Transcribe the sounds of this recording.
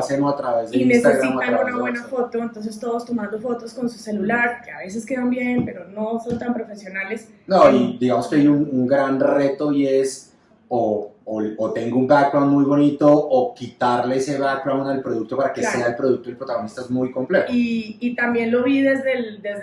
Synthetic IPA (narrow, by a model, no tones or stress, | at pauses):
ase̞mosat̪ɾaβe̞zðeinsst̪aɣɾimataaunaββwenafo̞t̪o̞ent̪o̞ns̬e̞st̪o̞ðost̪o̞mãnd̪o̞fo̞t̪o̞sko̞nsu̥se̞lulaɾkeaβe̞se̞ske̞ðambje̞mpe̞ɾono̞so̞nt̪ampɾo̞fe̞sjo̞nale̞s | noid̪iɣamoskeajunuŋɡɾanre̞t̪o̞ie̞s | oː | ot̪e̞ŋɡoumbak̚bɾawnmujβo̞nit̪o̞ʔːkit̪aɾleeseβak̚bɾawnalpɾo̞ð̞uk̚t̪o̞paɾakese̞aelpɾoðuk̚t̪ojelpɾot̪aɣonist̪aezmujko̞mple̞t̪oːt̪ambje̞nlo̞βiðe̞zd̪eld̪ez